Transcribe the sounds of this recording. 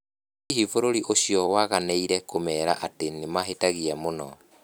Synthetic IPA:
iɦivoɾoɾiʔoɕijɔwaɣanɛiɾɛkomɛɾaʔatenemaɦetaɣiamonɔ

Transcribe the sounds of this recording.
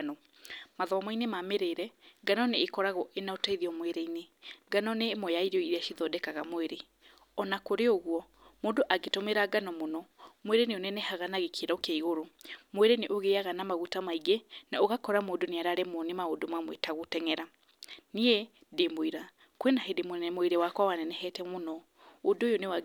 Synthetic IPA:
nɔ | maðɔamainemameɾeːɾɛɡanɔneːkɔɾaɣɔʔenaotaiðiɔmweɾeineɡanɔnemɔjaiɾeɔiɾeaʃiðɔdɛkaɣamweɾe | ɔnakoɾeoɣwɔ | moːndoʔaɡetomeɾaɡanɔmonɔmweɾeneonɛnɛhaɣanaɣekʰeɾaokaiɣoɾomweɾeneʔoɣeaɣanamaɣutamaiɡenaoɣakɔɾamoːdoneaɾaɾemɔnemaodomamwetaɣotɛŋɛɾa | nie | ndemoiɾa | kwenaɦedemoɛmoeɾewakwawanɛnɛhɛtɛmonɔ | odojonewa

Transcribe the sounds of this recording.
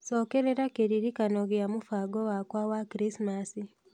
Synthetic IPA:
soːkeɾeɾakeɾiɾikanoɣamufaɡowakwawakɾisimasi

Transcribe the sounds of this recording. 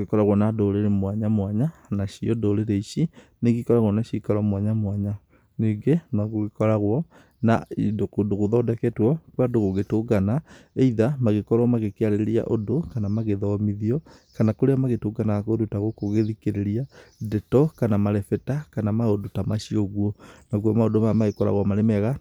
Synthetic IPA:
oɣekɔɾaɣwɔnadoɾeɾemwaɲamwaɲanaʃiɔdoɾeɾeiʃi | neɣikɔɾaɣwɔnaʃikaɾɔmwaɲamwaɲa | neɡenaɣoɣekɔɾaɣwɔ | naidokodoɣoðɔdɛkɛtwɔkwadoɣoɣetoɡanaeiðamaɣekɔɾɔmaɣekeaɾeɾeɾia̰ʔodokanamaɣeðɔmiðiɔ | kanakoɾeamaɣetoɡanaakodotaɣokoɣeðikeɾeɾiadɛtɔkanamaɾɛfɛtakanamaodotamaʃioɣwɔnaɣwɔmaodomamaɣekɔɾa̰ɣwamaɾemɛɣa

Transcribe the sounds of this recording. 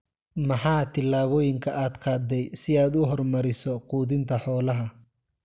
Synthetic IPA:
mɐħɑːt̪ʰɪlːaːβɔːjɪŋkʰɐʔaːd̪qʰɑːd̪ɛjsɪaːd̪ʊɦɔrmɐɾɪsɔquːðɪnt̪ʰɐħɔːlɐɦɐ

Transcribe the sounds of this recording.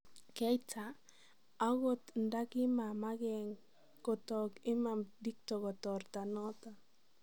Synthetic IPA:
kajt͡sa | aɣot̪ndakimamaɡeŋ | kot̪okimamdik̚t̪okot̪oɾt̪anot̪a

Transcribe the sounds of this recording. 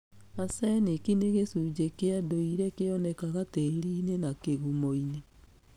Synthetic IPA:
asɛnekineɣesud͡ʒekeadoiɾɛkeɔnɛkaɣateɾiːnenakeɣumoine

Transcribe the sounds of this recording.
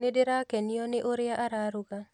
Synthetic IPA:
nɪdɪɾakeniɔnɪʔoɾɪaʔaɾaɾʊɡa

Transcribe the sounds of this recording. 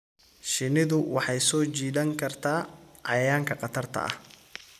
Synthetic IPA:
ʃɪnɪðʊwɑħɑjsɔːt͡ʃiːdɐŋkʰɐrt̪ʰaːʕɑ̰jaːŋkʰɐqɑt̪ʰɐrt̪ʰɐ̰ʔɐ̰h

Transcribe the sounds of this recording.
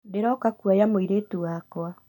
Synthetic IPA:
deɾɔːkakuajamoiɾetuwaːkwa

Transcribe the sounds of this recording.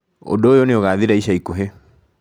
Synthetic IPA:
o̰doːjoneoɣaːðiɾaiɕaikoɦe

